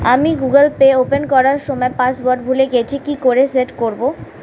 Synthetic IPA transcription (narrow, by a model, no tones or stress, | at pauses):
a̰miɡuɡəlpeopenkɔɾaɾʃɔmɔepãsbɔɾɖbʱuleɡet͡ɕʰikikoɾeseʈkoɾbo